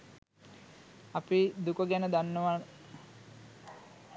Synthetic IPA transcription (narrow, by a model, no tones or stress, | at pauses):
apid̪ukəɡænəd̪anːəʋa